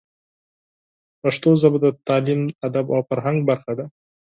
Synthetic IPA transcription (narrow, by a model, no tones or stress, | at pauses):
paʂt̪ozabd̪at̪ɑːlimad̪aba̰wfaɾɦaŋɡ̚baɾxad̪a